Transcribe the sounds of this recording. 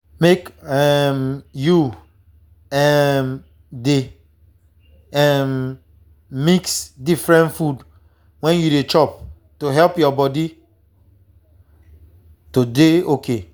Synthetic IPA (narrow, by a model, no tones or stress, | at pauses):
mekɛmju | ɛm | de | ɛm | miksdifɹɛ̃ntfud | wɛ̃njuɾet͡ʃɔp̚ | toɦɛlpjɔbɔdi | todeokʰe